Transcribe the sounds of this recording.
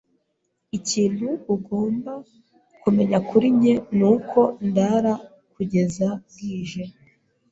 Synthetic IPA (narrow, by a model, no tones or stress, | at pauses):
iciːn̥huːɡo̞ːmba | kume̞ɲakuɾimɲe̞nuːkʰo̞ndaɾa | kuɟe̞zaŋɡiːʒe